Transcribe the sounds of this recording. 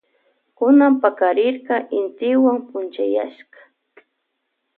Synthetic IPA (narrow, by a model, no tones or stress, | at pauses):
kʊnampakaɾɪɾkɑʔɪnt̪ɪwaŋpʊnt͡ʃaja̰ʃkɑ̥